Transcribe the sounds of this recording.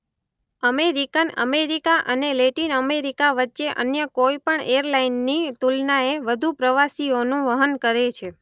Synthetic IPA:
əmeɾikənə̰meɾikaʔəneleʈinəmeɾikaʋətːʃeʔə̰njəkoipəɳeəɾlainːit̪ulnaeʋəd̪ʱupɾəʋasionũʋəɦənkəɾet͡ʃʰe

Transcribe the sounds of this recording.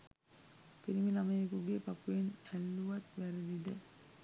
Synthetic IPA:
piɾimilamɐjekuɡepapːuenælːuʋɐt̪ʋæɾed̪id̪e

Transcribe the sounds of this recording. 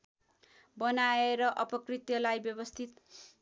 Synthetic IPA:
bʌnaeɾʌʔʌpʌkrit̪jʌlajbjʌbʌst̪ʰit̪

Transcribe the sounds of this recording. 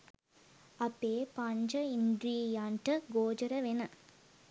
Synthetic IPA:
ɐpːeːpɐɲd͡ʒɐind̪ɾiːjaːɳʈɐɡoːd͡ʒɐɾɐʋenɐ

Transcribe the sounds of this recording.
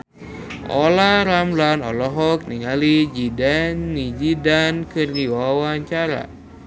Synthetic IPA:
ʔɔlaɾamlanɔ̰lɔɦɔk̚niŋalid͡ʒidanːid͡ʒidankɨrdiwawwaɲt͡ʃaɾa̰

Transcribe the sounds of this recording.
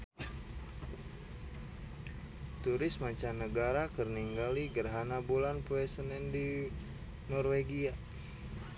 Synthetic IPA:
t̪uɾɪsmaɲt͡ʃanəɡaɾakərniŋɡaliɡərɦanabulanpuɛsənɛndi | nɔrweɡia

